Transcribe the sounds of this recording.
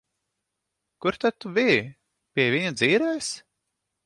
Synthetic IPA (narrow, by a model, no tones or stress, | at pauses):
kuɾt̪ad̪̚t̪uvi | pʲiɛvʲiɲud̪ziːɾɛːs